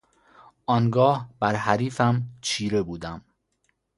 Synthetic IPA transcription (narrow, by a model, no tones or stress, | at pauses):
ʔɒːnɡɒːhb̥æɾɦæɾiːfæmt͡ʃʰiːɾebuːd̪æm